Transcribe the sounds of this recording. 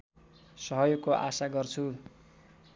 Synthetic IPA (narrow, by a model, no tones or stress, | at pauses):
sʌɦʌjoɡ̚koʔa̰saɡʌrt͡sʰu